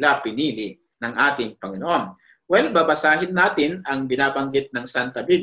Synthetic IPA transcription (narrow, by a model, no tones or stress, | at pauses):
lapɪniːlɪ | nɐŋʔaːt̪ɪŋpɐŋɪnoʔon | wɛlbabɐsaːɦɪnːaːt̪ɪnɐŋbɪnaːbɐŋɡɪt̪̚nɐŋsant̪ɐbib